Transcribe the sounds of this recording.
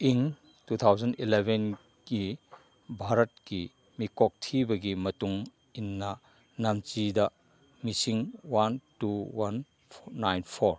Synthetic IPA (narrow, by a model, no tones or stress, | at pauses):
iŋ | tut̪ʰawzɐnilebʱen | ki | bʱaɾɐt̚ki | mikɔk̚tʰibɐɡimɐtuŋ | inːɐ | namt͡ʃidɐ | misiŋwantuwanː | ajnpʰoɾ